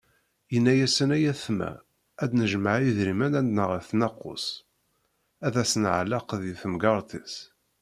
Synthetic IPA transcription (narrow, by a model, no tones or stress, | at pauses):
jənːæjæsənæjæθmæ̰ | æd̪nəʒmaʕiðɾimænænd̪nəʁəθnɑqːʊ̰s | æðæsənʕlːɑqðjiθəmɡɑɾˤt̪is